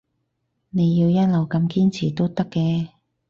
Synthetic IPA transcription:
ne˨˧jːiː˧wjɐ˥t̚lɐ˨wkɐ˧mkiː˥nt͡sʰiː˨˩t̪o˥wt̪ɐ˥kːɛː˧

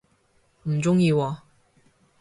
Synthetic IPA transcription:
n̩˨˩t͡sʊ˥ŋjiː˧wɔ˨˧

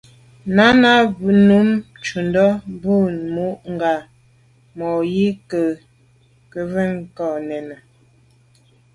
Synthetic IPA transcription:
na˦na˦bʉ˨nu˨˦m | t͡ʃu˨ndɔ˦bu˦˨mu˦ʔŋ˨ɡa˨ | mɔ˨ji˦kə˨ | kə˨və˦˨ŋ˨kɔ˨nɛ˨nə˨

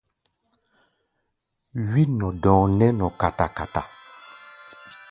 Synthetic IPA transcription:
wi˦nɔ̃˨dɔ̃ː˨ŋnɛ˦nɔ̃˨ka˨ta˨ka˨ta̰˨

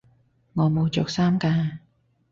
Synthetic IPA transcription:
ŋɔː˨˧mo˨˧wt͡sɔː˨k̚saː˥mkaː˧

